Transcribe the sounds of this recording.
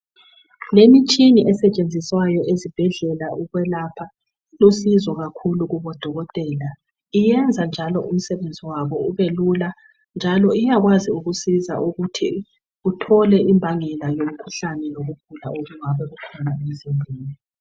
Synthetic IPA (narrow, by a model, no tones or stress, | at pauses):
lemit͡ʃʼiniʔɛsɛt͡ʃʼend͡zʱiswajɔʔezib̥ʱɛɮɛlaʔuɣwɛlapʰa | losizɔɣakʰuluɣuβɔd̥ʱɔɣɔtʼɛːla | ijɛnd͡zʱand͡ʒʱalɔʔum̩sɛβend͡zʱiwaβɔuβelula | nd͡ʒʱalɔijaɣwaziuɣusiza̰ʔuɣutʰi | utʰɔlɛʔimbʱaŋɛlajom̩kʰuɬanɛloɣup̚ʰula̰oɣuŋaβɛʔukʰɔnaemzinbʱiːni